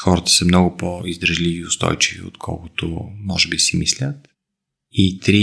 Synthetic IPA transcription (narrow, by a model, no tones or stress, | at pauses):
xɔɾɐt̪ə̥səmnɔɡʊpoizd̪ɾɐʒliviːʊst̪ɔ̰jt͡ʃivḭo̰t̪kʰɔ̰lˠkʊt̪o̰mɔʒɛbisɛmislʲət̪ | it̪ɾi